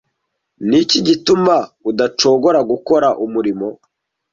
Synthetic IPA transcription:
niciɟitumaudat͡ʃo̞ːɡo̞ɾaɡuko̞ɾaʔumuɾimo̞

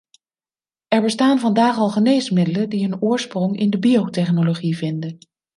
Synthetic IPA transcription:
ʔɛɹbəstaːnvɑndaːχɑlˠχənejsmɪdələdiɦɵnʊːɹsprɔŋɪ̰ndəbiowtɛχnoloχivɪndən

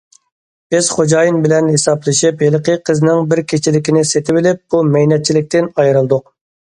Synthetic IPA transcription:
b̥ɪz̥χod͡ʒɑjinbɪlɛnhesɑblˠɨʃiphelˠqʰəqʰəznɪŋbɪɾkʲʰet͡ʃʰɪlɪkʲinɪset̪ʰɪbɪlɪp̚b̥umɛjnɛt̪̚t͡ʃʰilɪk̚ʲt̪ɪnɑjɾɨlˠd̪ʊq

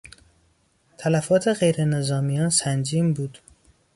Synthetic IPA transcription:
t̪ʰælæfɒːt̪ʰe̞ɣe̞jɾe̞ne̞zɒːmijɒːnsænd͡ʒiːmbuːd̪̥

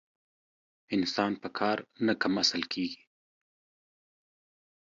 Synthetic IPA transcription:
ɪnsɑːnpəkʰɑɾnakʰamasəlkʰeɡi̥

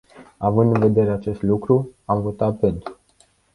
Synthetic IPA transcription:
avɨnd̪ɨnve̞d̪e̞ɾe̞at͡ʃe̞st̪lukɾuamvo̞t̪at̪̚pe̞nt̪ɾu

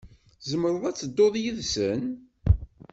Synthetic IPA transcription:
zəmɾˤəðˤæt͡sːəd̪ːoðˤjəðsən

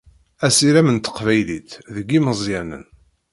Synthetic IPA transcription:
æsiɾæmənt̪ə̥qvæjlit̪ðəɡːiməzˤjænə̰n

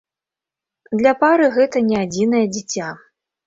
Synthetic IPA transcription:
d̪lʲɐpaɾɨɣɛt̪ɐnʲɛad͡zʲinɐjɐd͡zʲit͡sʲa

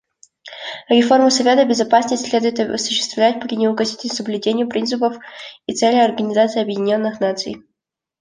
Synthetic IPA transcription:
ɾʲɪfo̞rmʊsɐvʲe̞t̪əbʲɪzɐpasnəsʲtʲsʲlʲe̞d̪ʊjɪt̪ɐ̰sʊ̥ɕːɪ̥st̪vlʲæt̚ʲpɾʲɪnʲɪʊkɐsʲitʲɪsəblʲʉdʲenʲɪjʊpɾʲint̪sɨpəfit̪sɛlʲɪjɐrɡənʲɪzat̪sɨɪɐbjɪdʲɪnʲo̞nːɨxnat̪sɨ̰j

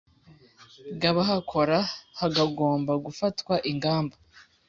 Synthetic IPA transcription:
ɡaβaɦakʰo̞ɾahaɡaɡo̞ːmbaɡufatwaʔiŋɡaːmba

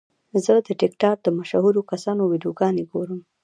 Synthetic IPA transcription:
zəd̪əʈɪkʈɑɾ̚d̪əmaʃahuɾokasɑnowid̪oɡɑneɡoɾəm

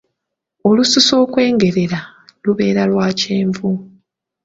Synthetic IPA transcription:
o̞lususo̞ːkwe̞ːŋɡe̞ɾe̞ɾa | luβe̞ːɾalwaːceːɱvu

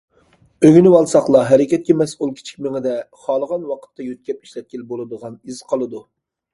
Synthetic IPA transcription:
øɡʲynɪwɑlˠsɑχlˠɑɦɛɾɪkʲɛt̪̚kʲɛmɛsulˠkʲʰi̥t͡ʃʰi̥kʲmɪŋɪd̪ɛχɑlˠəʁɑnwɑqʰə̥t̪ʰːɑjøt̪̚kʲɛp̚i̥ʃlɛt̪̚kʲilbolˠɨd̪əʁɑnizqʰɑlˠɨd̪u

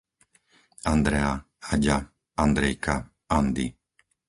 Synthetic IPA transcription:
and̪ɾɛa | aɟa | and̪ɾɛjka | and̪ḭ

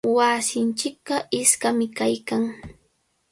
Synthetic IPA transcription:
wasɪnt͡ʃɪk̚ɢɑʔɪskamɪkajkaŋ

